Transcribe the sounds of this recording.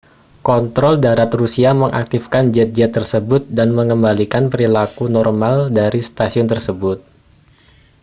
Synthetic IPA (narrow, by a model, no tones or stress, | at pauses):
kɔnt̪ɾɔldaɾat̪rusiaməŋʔa̰k̚t̪ifkand͡ʒɛt̪̚d͡ʒɛt̪ːərsəbʊt̪̚danməŋəmbalikanpəɾilakunɔrmaldaɾist̪asiʊnt̪ərsəbʊt̪̚